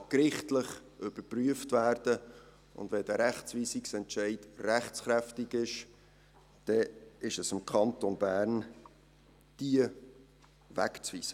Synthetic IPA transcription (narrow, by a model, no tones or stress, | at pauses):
kɾɪχtləχʔʏb̥əɾpryəftvæːrd̥ə | ʊ̰ndvɛd̥æɾæχt͡svʋiːsiksɛntt͡ʃɛɪdræχt͡sχɾæftɪɡɪʃ | d̥ɛɪʃɛsɪmkʰɑntonbæːɾn | d̥iə | væ̰kt͡sviːsə